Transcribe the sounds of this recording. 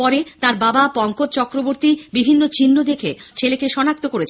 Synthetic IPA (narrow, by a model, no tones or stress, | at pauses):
pɔɾet̪aɾbabapɔŋkot̪̚t͡ɕɔkɾoboɾt̪ibibʱinːot͡ɕinːod̪ekʰet͡ɕʰelekeʃɔnak̚t̪okoɾet͡ɕʰ